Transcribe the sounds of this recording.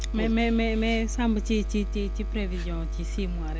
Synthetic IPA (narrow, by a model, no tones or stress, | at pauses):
mɛmɛmɛmɛsãmbət͡ʃit͡ʃitit͡ʃipɾɛvizjɔ̃t͡ʃisimwaɾɛ